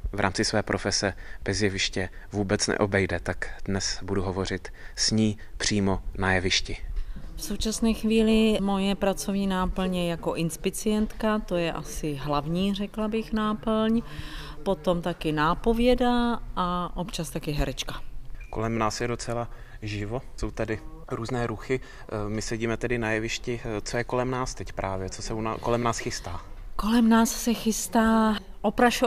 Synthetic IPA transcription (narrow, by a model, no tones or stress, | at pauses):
vɾa̰ːmt͡sɪsvɛːpɾʔofɛsɛb̥ɛzjɛvɪʃcɛ | vuːbɛt͡snɛ̰ʔobɛjdɛt̪akdnɛsbuduɦovo̞r̝ɪt̪ | sɲiː | pr̝̥iːmonajɛvɪʃcɪfsowt͡ʃasnɛːxviːlɪmo̞jɛpɾat͡so̞vɲiːnaːpl̩ɲjɛjako̞ʔɪnspɪt͡sɪjɛnt̪kat̪o̞jɛʔasɪɦlavɲiːrɛklabɪxnaːpl̩l̩ɲpo̞t̪o̞mt̪akɪnaːpo̞vjɛdaʔaʔo̞pt͡ʃast̪akɪɦɛɾɛt͡ʃkḁko̰lɛmnaːsjɛdot͡sɛla | ʒɪvo̞so̞wt̪adɪ | ɾuːznɛːɾuxɪ | mɪsɛɟiːmɛt̪ɛdɪnajɛvɪʃcɪt͡sojɛkolɛmnaːst̪ɛcpɾʔaːvjɛt͡sosɛuna̰kolɛmnaːsxɪst̪aːko̞lɛmnaːssɛxɪst̪aː | ʔopɾaʃo